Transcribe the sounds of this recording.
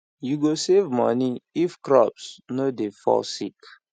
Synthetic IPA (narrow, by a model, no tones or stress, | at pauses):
juɡosevmɔ̰niifkɾɔpsnodefɔ̰sḭk